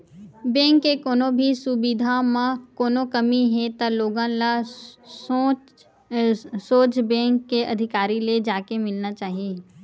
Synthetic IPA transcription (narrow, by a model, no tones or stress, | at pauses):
bɛ̃ːŋkːekoːnõbʱisʊbid̪ʱamãkoːnokɐmiɦɛt̪aloːɡãla | soːt͡ʃbɛ̃ːŋkːeʔɐd̪ʱɪkaːɾiled͡ʒaːkemɪlnat͡ʃaːɦieː